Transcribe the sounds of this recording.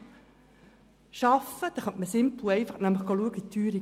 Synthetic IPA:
ʃɑfəd̥̪ɑχɑtməsɪmplueɪfəχnæmləχɡoluəɡit̪ʰːyːɾi

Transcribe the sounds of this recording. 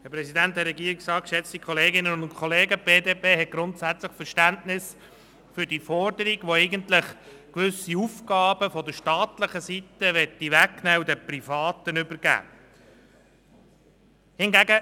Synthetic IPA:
hɛpɾɛsidænt̚d̪ɛɾɛɡiːɾiksɑːkʃɛt͡st̪ikʰɔleːɡɪnənʊnkʰoleːɡəb̥eːdeːpeːhɛt̚ɡ̥ɾʊntsæt͡sləχfəɾʃtæntnɪs | fʏɾd̥ifɔrdəɾiɡʋoɛɪɡəntlɪχ | kʋʏsiufɡɑːbəfɔd̪əʃtɑːt̪ləχəsit̪əʋɛtːiʋæknɛːudɛpɾifɑːt̪ənʏbəɾɡ̥æ̰ː | hɪnɡæɡə

